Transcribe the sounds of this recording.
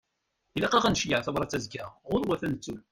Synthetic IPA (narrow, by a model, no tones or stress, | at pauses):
ilæqɑʁænʃjaʕθɑvɾˤɑt͡sːæzɡæʁʊɾwæθænət͡sːul